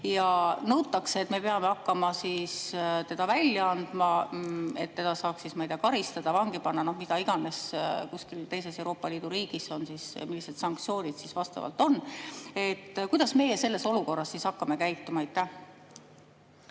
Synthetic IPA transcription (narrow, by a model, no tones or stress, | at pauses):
jɑnɤwt̪ːˑɑkseːt̪me̞pe̞ɑmeɑkːɑmɑsist̪e̞d̪ɑvælʲjɑɑnd̪̥mɑe̞̰t̪ːe̞d̪ɑsɑːksːismɑjd̪̥ɑkɑɾist̪ɑd̪̥ɑvɑŋɡ̥ipɑnːɑno̞hmid̪̥ɑiɡ̥ɑne̞skuskilt̪e̞jse̞sewɾo̞ːpːˑɑliːd̪̥uɾiːɡ̥iso̞nsismilːise̞d̪sɑŋk̚t̪sio̞ːnʲid̪̥sisvɑst̪ɑ̰vɑ̰lt̪ˑo̞nːe̞t̪ːkujd̪̥ɑsme̞jese̞lːe̞soluko̞rːɑsːisɑkːɑme̞kæjt̪ːˑumɑejt̪ːæh